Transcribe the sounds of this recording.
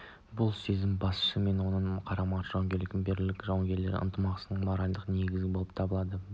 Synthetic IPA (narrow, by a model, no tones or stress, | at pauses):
bʊlˠsezɪmbɑsʃəme̞nwo̞nəɴqʰɑɾɑmɑʒ̥ɑwɑŋɡʲe̞ɾlɪk̪ʲɪmbeɾlɪkʲʒɑwŋɡʲe̞ɾle̞ɾɪ̰ə̰nt̪əmɑqsənəɴmɑɾɑj̪d̪əʁqəne̞ɡʲɪzɡʲɪbo̞lˠəpt̪ʰɑbəlˠɑd̪ə